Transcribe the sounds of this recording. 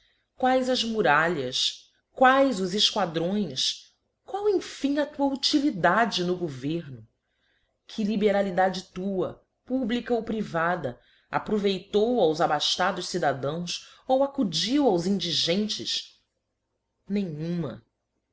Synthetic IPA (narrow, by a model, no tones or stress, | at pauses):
kwajzɐzmuɾaʎɐs | kwajzʊzɪʃkwad̪ɾõj̃s | kwawẽj̃fĩɲɐt̪uɐut͡ʃilid̪ad͡ʒɪnʊɡoveɾnʊ | kʰɪlibeɾalid̪ad͡ʒɪt̪uɐ | publikɐowpɾivad̪ɐ | a̰pɾovejt̪owawzabaʃt̪ad̪ʊʃsid̪ad̪ɐ̃w̃sowakud͡ʒiwawzĩnd͡ʒiʒẽnt͡ʃɪs | nẽɲũmɐ̰